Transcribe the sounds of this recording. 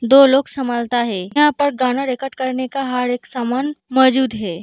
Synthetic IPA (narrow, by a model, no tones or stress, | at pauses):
d̪oloksəmalt̪aɦejãpəɾɡaɽ̃aɾekəʈkəɾnekaɦaɽeksamanmɔd͡ʒuːd̪ɦe